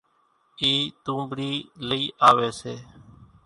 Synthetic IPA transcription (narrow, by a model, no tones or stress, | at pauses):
iːt̪ũːmbɽiːləiːʔaːʋeːseː